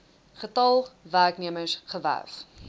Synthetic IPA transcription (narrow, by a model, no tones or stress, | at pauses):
χətɐlˠværkniəməsχəvæ̰rf